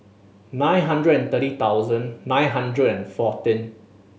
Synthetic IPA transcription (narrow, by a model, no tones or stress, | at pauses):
nãj̃nɦãndɹədɛ̃nt̪əɾit̪awzə̃nːãj̃nɦãndɹədɛ̃nfɔtĩn